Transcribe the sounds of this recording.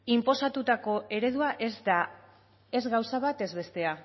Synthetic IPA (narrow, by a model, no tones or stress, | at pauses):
impo̞sat̪ut̪ako̞ʔe̞ɾe̞ðuaʔa | e̞zɣawsaβat̪e̞zβe̞st̪e̞a